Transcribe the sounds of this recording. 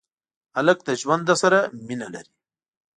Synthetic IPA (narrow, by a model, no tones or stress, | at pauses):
alək̚d̪ɐʒwand̪asaɾaminala̰ɾi